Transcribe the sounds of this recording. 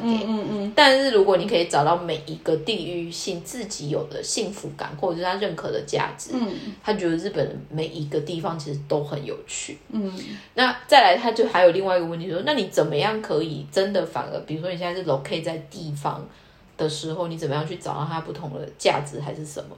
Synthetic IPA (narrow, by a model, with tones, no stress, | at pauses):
ɛ˨˦t̪a˥˧nʂɻ̩˥˩ɻu˧˥kwɔ˨˦ni˨˩kʰɤ˧˥i˨˧˩t͡sɑ˨˩ʊt̪ɑ˥˩ʊme˨˩ɪi˧˥ɡ̥ə˧t̪i˥˧y˥˧ɕi˥˧ŋt͡sɹ̩˥˩t͡ɕi˧˥jo˨˩ʊd̪ə̰˦ɕi˥˩ŋfu˧˥ka̰˨˩nxwɔ˥˩˨ʂ̩ʰ˥˩a˥ɻə˥˩nkʰɤ˧˥d̪ə̰˨˦t͡ɕja̰˥˩ʈ͡ʂɻ̩˨˦t̪ʰa˥t͡ɕɥɛ˧˥d̪ə˧ɻ̩˥˩pə˨˩nme˨˩ɪʔi˧˥ɡə˧t̪i˥˩fɑ˧˦ŋt͡ɕʰi˧˥ʂɻ̩˧˥t̪o˥ʊxə˧˦njo̰˨˩ʊt͡ɕʰy̰˥˩ | na˥˧t͡sa˥˩ɪla˧˥ɪt̪ʰa˥t͡ɕjo˥˩ʊxa˧˥ɪo˨˩li˥˧ŋwa˥˩i˧˥ɡə˩wə˥˩t̪i˧jo˥ʂna˥˩ni˨˧˩t͡sə˨˩nmə˦jɑ˥˩ŋkʰɤ˧˥i˨˩ʈ͡ʂə˦nd̪ə˨fa̰˨˩ŋə̰˧˦pi˨˩ɻu˧˥ʂwɔ˥ni˨ɕɛ˥˧n˥a˥˧ʂ̩˥˩lo˧˥ʊkʰe˥ɪt͡sa˥˧ɪt̪i˥˩fɑ̰˧˦ŋ | d̪̥ə˨ʂɻ̩˧˥xo˥˩ʊni˧˥t͡sə˨˩mə˦jɑ˥˧ŋt͡ɕʰy˥˩t͡sɑ˨˩ʊt̪ɑ˥˩t̪ʰa˥pu˥˩t̪ʰʊ˧˥ŋd̪ə̰˧t͡ɕja̰˥˩ʈ͡ʂɻ̩˧˥xa˧˥ɪʂɻ̩˥˩ʂə̰˨˩nmə̰˦